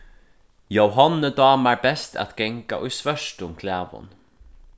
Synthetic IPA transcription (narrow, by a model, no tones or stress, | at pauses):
jowɦɔnːəd̪ɑːmaɹbɛst̪ʰæ̰t̪ɡɛŋka̰ʔʊjsvœʂʈʊmkʰlæːvʊ̰n